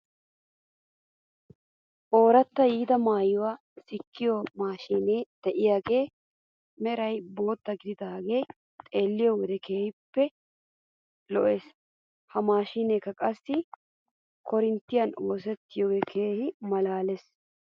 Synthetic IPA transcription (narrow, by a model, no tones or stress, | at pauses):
ʔo̞ːɾɐt̪ːɐjiːd̪ɐmaːjːʊwaː | sɪkːɪjoːmaːʃiːneːd̪̥ɛʔɪjaːɡeː | mɛɾɐjbo̞ːt̪ːɐɡɪd̪ɪd̪aːɡe̞ː | t̪ʼe̞ːlːɪjoːwɔd̪ɛkeːhɪpːɛ | lɔʔeːs | hɐmaːʃiːneːkːɐkʼɐsːɪ | kʰɔɾɪnt̪ːɪjɐnoːs̬ɛt̪ːɪjoːɡeːkʰeːhɪmɐlaːlɛs